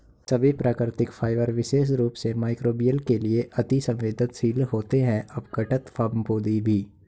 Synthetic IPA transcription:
sɐbʱipɾaːkɾɪt̪ɪkfʰaːɪʋəɾʋɪʃeːʃ̬ɾuːpsemaːɪkɾoːbijəlkelieʔɐt̪isɐ̃mʋeːd̪ʱɪt̪siːlɦoːt̪eɦɛ̃ʔɐbɡɐʈət̪fʰaːɾmpoːd̪ibʱiː

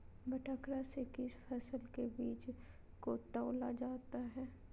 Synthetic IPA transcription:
bɐʈʰakɾasekɪsfʰɛːsəlkebiːt͡ʃ | kot̪ɔːlad͡ʒaːt̪aɦɛː

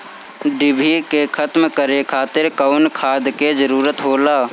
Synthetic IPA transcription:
ɖɪbʱikekʰət̪mkəɾekʰaːt̪ɪɾkəʊnkʰaːd̪ked͡ʒəɾuːɾət̪ɦoːlaː

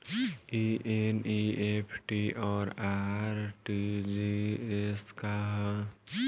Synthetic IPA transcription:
iʔeniepʰʈiɔːɾaɾʈid͡ʒieskaɦ

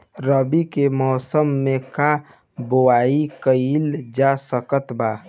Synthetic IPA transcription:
ɾəbikemɔːsəmːeka | bowaːikəild͡ʒasəkət̪baː

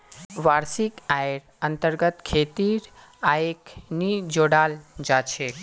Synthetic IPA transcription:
ʋaːɾsikajɾ | ənt̪əɾɡət̪kʰet̪iɾ | aeknid͡ʒoɽaːld͡ʒat͡ʃʰe

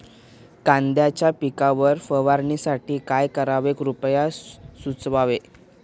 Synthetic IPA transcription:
kãnd̪jat͡ɕjapikaʋəɾfəʋaɾɳisaʈiːkajkəɾaʋekɾupjasut͡sʋaʋe

